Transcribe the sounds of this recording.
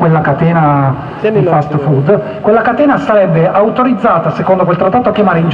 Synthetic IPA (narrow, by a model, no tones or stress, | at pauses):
welːakat̪ɛːna | difast̪fud̪ | kwelːakat̪ɛːnasaɾɛbːeawt̪oɾid̪zːaːt̪asekond̪ok̬welt̪ɾat̪ːaːt̪oakːjamaːɾeind͡ʒ